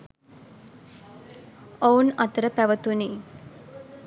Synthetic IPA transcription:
ounɐt̪əɾəpæʋət̪uni

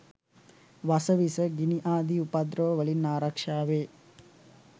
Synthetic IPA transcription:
ʋɐsɐʋisɐɡiniʔaːd̪iupad̪ɾoːʋɐɭinaːɾaːkʂaːʋeː

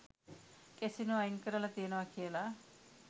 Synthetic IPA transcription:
kesinoɐjŋkəɾəlat̪iənoʋakʰijəla

